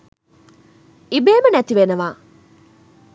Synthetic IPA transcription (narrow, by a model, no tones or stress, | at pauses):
ibeːmənæt̪iʋenəʋaː